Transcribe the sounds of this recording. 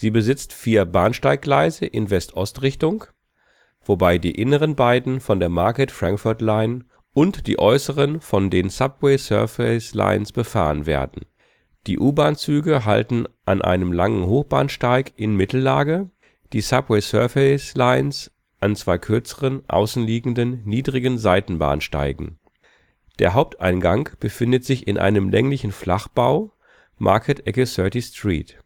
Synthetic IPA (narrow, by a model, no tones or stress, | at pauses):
z̥iːbəzɪt͡stfiːɐbaːnʃtaɪk̚ɡ̥laɪzəʔɪnvɛstʔɔstʁɪçtʊŋ | v̥obaɪdḭːʔɪnəʁənbaɪdn̩fɔndeːɐmaɐkətfʁ̥ãŋkfʊɐtlaɪn | ʊntd̥ḭːʔɔʏsəʁənfɔndeːnsap̚wɛɪsœ̰ɐfɛɪsla̰ɪənsb̥əfa̰ːʁənvḛːɐdn̩ | d̥iːʔuːbaːnt͡syːɡəɦa̰ltn̩ʔanʔa̰ɪnəmla̰ŋənhoːxb̥a̰ːnʃtaɪkʔɪnmɪtl̩laːɡə | d̥iːsapwɛɪsœɐfɛɪslaɪns | ʔant͡sv̥aɪkʰʏɐt͡səʁənʔa̰ʊsn̩liːɡŋ̩dənːiːdʁɪɡənzaɪtn̩ba̰ːnʃta̰ɪɡŋ̩ | d̥eːɐɦaʊp̚tʰʔaɪnɡaŋb̥əfɪndətz̥ɪçɪnʔa̰ɪnəmlʔɛ̰ŋlɪçn̩flaχb̥aʊ | mʔa̰ɐkʰətʔɛkəsœɐtistʁ̥ḭːt